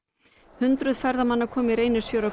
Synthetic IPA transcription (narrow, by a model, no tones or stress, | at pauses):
hʏnt̪ɾʏðfɛɾðamanːakʰɔːmɪɾeːjnʏsfjowɾa